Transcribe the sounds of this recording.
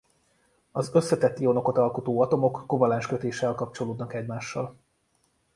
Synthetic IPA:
ɒzø̞sːɛt̪ɛt̪ːio̞no̞kot̪ɒlkot̪oːɒt̪o̞mo̞kːovɒlaːnʃkøt̪eːʃɛlkɒp̚t͡ʃo̞loːd̪nɒkɛɟmaːʃːɒl

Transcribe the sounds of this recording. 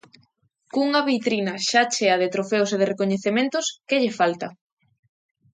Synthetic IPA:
kuŋɐβit̪ɾinɐʃat͡ʃeɐðɪt̪ɾofeoseð̞eɪrekoɲeθemẽnt̪ʊskeʎɪfalt̪ɐ

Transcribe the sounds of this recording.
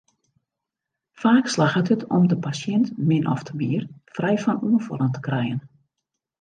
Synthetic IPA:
faːkslaxəthətʰɔ̰mdəpasjɛntmɪnʔɔ̰ftʰəmiərfrɛjfɔnuənfɔ̰lˠəntə̥krɛjən

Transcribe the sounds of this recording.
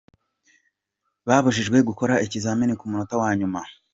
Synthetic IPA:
βaːβuʃiʒɡwe̞ɡuko̞ɾaicizaːminikumunotawaːɲuma

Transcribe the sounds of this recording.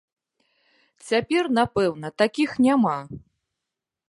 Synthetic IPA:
t͡sʲapʲɛrnapɛwnɐt̪akʲixnʲama

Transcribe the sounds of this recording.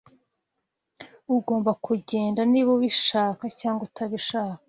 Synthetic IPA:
uɡo̞ːmbakuɟe̞ːndaniβoβiʃaːkacaːŋɡotʰaβiʃaːkḁ

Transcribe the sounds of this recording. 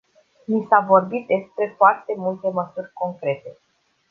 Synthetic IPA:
nisavo̞rbit̪̚d̪e̞spɾe̞foart̪e̞mult̪e̞məsurʲko̞ŋkɾe̞t̪e̞

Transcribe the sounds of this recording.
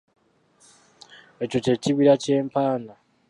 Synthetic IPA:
e̞co̞ce̞ciβiɾace̞ːmpaːna

